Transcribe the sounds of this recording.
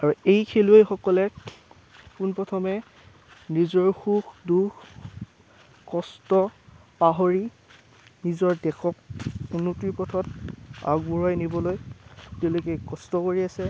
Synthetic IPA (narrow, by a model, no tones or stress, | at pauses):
aɹuejkʰeluejxɔkɔlɛ | kunpɹɔtʰɔmɛ | nizɔɹxuxdux | kɔstɔpaɦoɹi | nizɔɹdɛxʰɔk̚unutiɹpɔtʰɔta̰ɡbuɹajnibɔlojtɛʊlokɛjkɔstɔkoɹiasɛ